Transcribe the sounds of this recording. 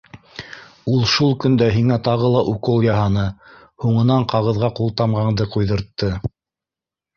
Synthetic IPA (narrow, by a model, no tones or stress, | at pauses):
ulˠʃulˠkɵ̆nd̪æɦiŋæt̪ɑʁɤlˠɑʔuqɤlˠjɑɦɑnɤ | huɴɤ̆nɑɴqɑʁɤ̆ðʁɑqulˠt̪ɑmʁɑɴd̪ɤqujðɤ̆ɾt̪ːɤ